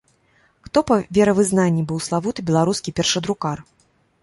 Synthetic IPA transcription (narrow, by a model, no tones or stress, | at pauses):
xt̪ɔpɐvʲɛɾɐvɨznanʲːibɨwslˠavut̪ɨbʲɛlˠaɾuskʲipʲɛrʂɐd̪ɾukar